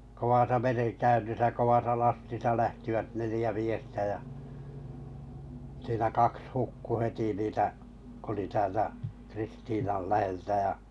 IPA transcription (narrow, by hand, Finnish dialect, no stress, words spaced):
koʋɑsɑ mereŋkæynːisæ koʋɑsɑ lɑstisɑ læhtiʋæt nelĭjæ miestæ jæ siːnæ kɑks hukːu heti niːtæ k oli tæːltæ kristiːnɑl læheltæ jɑ